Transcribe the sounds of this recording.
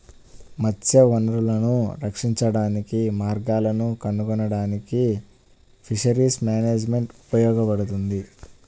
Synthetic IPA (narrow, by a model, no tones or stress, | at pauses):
mɐt͡ʃːɐʋɐnɐɾulɐnuɾɐkʂiɲt͡ʃɐɽaːnikimaːɾɡaːlɐnukɐnːukɔnɐɽaːniki | pʰiʂɐɾiːsmjaːneːd͡ʒme̞ɳʈupɐjɔːɡɐpɐɽut̪und̪i